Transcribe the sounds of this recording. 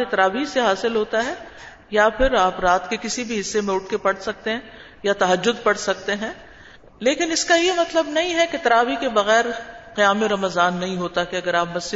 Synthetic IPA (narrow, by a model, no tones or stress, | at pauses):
ɪt̪ɐɾaːʋiseɦaːsɪlɦoːt̪aɦɛ | japʰɪɾaːpɾaːt̪kekɪsibʱiɦɪsːemẽʊʈ̚ʰkepɐɽ̤sɐk̚t̪eɦɛ̃ | jat̪ɐɦəd͡ʒːʊd̪pɐɽsɐk̚t̪eɦɛ̃ː | leːkɪnɪskajemɐt̪ləbnɐɦĩɦɛket̪ɾaːʋikebɐɣɛːɾqijaːmeɾɐməzaːnːɐɦĩɦoːt̪akeɐɡəɾaːpmɐsd͡ʒɪ